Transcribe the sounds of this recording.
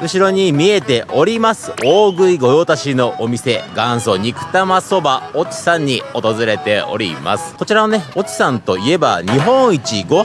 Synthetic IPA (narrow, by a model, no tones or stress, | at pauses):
ɯ̟ɕiɾo̞ɲ̟imʲie̞t̪e̞ʔo̞ɾʲimasɨ̥oːɡɯ̟iɡo̞jo̞ːt̪aɕino̞ʔomʲise̞ɡãɰ̃so̞ɲ̟ikɯ̟̥t̪amaso̞bao̞t͡ɕi̥sãɲ̟ːio̞t̪o̞zɨɾe̞t̪e̞o̞̰ɾʲḭma̰sɨ̥ko̞t͡ɕiɾanone̞o̞t͡ɕi̥sãnt̪o̞ie̞ba̰ɲiɦõ̞ɰ̃it͡ɕiɡo̞